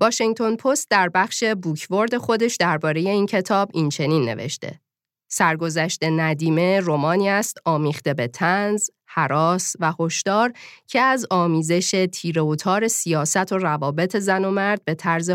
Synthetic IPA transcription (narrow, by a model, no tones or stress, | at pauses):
vɒːʃeŋt̪ʰo̞npʰo̞st̪̚d̪æɾbæχʃe̞buːcʰvo̞ɾd̪e̞xo̞d̪e̞ʃd̪æɾbɒːɾe̞je̞iːncʰe̞t̪ʰɒːbint͡ʃʰe̞niːnːḛvḛʃt̪ʰe̞̰ | sæɾɡo̞zæʃt̪e̞næd̪iːme̞romɒːniːæst̪ɒːmiːχt̪e̞be̞t̪ʰænz | hæɾɒːsvæho̞ʃd̪ɒːɾcʰe̞æzɒːmiːze̞ʃe̞t̪ʰiːɾe̞ot̪ʰɒːɾe̞sijɒːsæt̪ʰo̞rævɒːbe̞t̪ʰe̞zæno̞mæɾd̪̥̚be̞t̪ʰæɾze